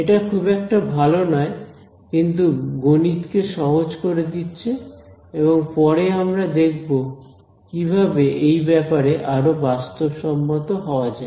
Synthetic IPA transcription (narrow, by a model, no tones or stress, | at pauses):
eʈakʰubɛk̚ʈabʱalonɔe | kint̪uɡonit̪keʃɔɦod͡ʑkoɾed̪itːɕʰeeβoŋpɔɾeamɾad̪ek̚ʰbo | kibʱabeʔejbɛpaɾeʔaɾobast̪obʃɔmːot̪oɦɔoad͡ʑae